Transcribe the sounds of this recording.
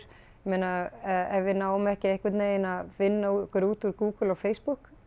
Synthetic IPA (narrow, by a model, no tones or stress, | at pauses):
ɾ̥ | meːnaɛvɪnaːwʏmɛhcɪejhkvɪt̪neːɪnaðvɪnːaukɾuːt̪uɾkuːkəlɔɣfeːjspuhk